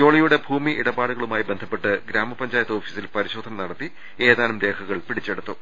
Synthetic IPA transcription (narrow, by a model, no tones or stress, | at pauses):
o̞ːɭɐjuɽe̞bʱuːmiʔiɽɐbaːɽuɣɐɭumaːjibend̪ʱɐpːe̞ʈːɨɡɾaːmɐpɐɲd͡ʑaːjɐt̪ːo̞ːfisilpɐɾiɕo̞ːd̪ʱɐnɐnɐɽɐt̪ːi | e̞ːðaːnumɾe̞ːkʰɐɣɐɭpiɽit͡ɕːe̞ɽut̪ːu